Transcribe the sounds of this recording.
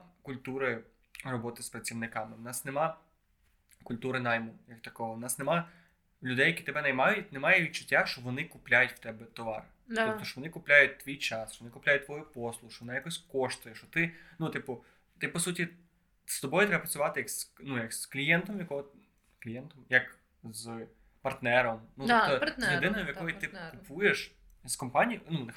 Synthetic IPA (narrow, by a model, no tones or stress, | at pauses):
kʊlʲt̪uɾɪ | rɔbɔt̪ɪspɾɐt͡sʲiʋnɪkɑmɪwʊnɑsnemɑ | kʊlʲt̪uɾɪnajmujɐkt̪ɐkɔɦɔwnɑsnemɑ | lʲʊd̪ɛjɐkʲit̪ɛbɛnɛjmɑjʊtʲnemɑjɛʋʲit͡ʃʊ̥tʲːaʃt͡ʃɔʋɔnɪkʊplʲajʊtʲʋt̪ɛbɛt̪ɔʋɑ̰r | ɔpt̪ɔʃt͡ʃɔʋɔnɪkʊplʲajʊt̚ʲt̪ʋʲijt͡ʃɑsʃt͡ʃɔʋɔnɪkʊplʲajʊt̚ʲt̪ʋɔjʊpɔslˠʊʃt͡ʃɔʋɔnajakɔsʲkɔʃt̪ʊjɛʃt͡ʃɔt̪ɪnut̪ɪpʊ | t̪ɪpːɔsutʲi | st̪ɔbɔjʊt̪ɾɛbɐpɾɐt͡sʲʊʋɑt̪ɪjɐksnujɐksklʲijɛnt̪ɔmjɐkɔɦɔ | klʲijɛnt̪ɔmjɐk | z | pɐrt̪nɛɾɔmnuɔjed̪ɪnɔjɔʋjɐkkɔjit̪ɪkʊpujeʃ | zkɔmpɑnʲijnunɪ